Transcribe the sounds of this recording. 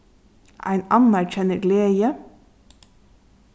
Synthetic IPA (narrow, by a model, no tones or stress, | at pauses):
ʔæ̰ɪnɑnæɾçɛnəɡleːə